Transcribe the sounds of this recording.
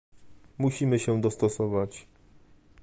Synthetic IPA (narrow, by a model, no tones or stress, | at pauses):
muɕimɘɕɛ̃d̪ɔst̪ɔsɔvat͡ɕ